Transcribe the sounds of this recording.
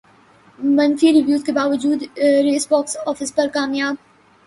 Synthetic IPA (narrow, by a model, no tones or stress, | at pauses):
mɐnfiɾɪʋjuːzkebaːʋəd͡ʒuːd̪ɾeːsbɔːksɔːfɪspɐɾkaːmjaːb̚